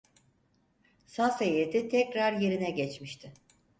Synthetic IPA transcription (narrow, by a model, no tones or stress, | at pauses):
sasejet̪ʰit̪ʰɛcɾaɾje̞ɾinɛɟɛt͡ʃmiʃt̪ʰɪ